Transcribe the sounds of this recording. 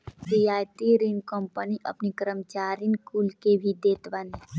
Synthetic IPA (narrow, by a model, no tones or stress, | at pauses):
sijaːjt̪iɾinkɔmpəniʔɐ̰pnikəɾəmt͡ʃaːɾinkuːlkebʱid̪eːt̪ʋane